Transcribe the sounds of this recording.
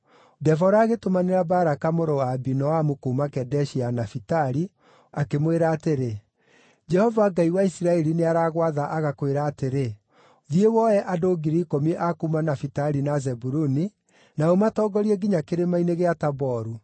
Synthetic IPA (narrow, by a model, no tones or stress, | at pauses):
dɛfɔɾaːɣetomaneɾabaɾakamoɾowaːbinɔamukuːmakɛdɛʃianafitaɾi | akemweɾaːteɾe | d͡ʒɛhɔvaɡaiwaisiɾaɛɾineaɾaːɣwaðaʔaɣakoweɾaːteɾe | ðiewɔjɛʔadoɡiɾikomiʔakuːmanafitaɾinazɛbuɾuni | naomatɔːɡɔɾiɛɡiɲakeɾemaineɣeatabɔɾu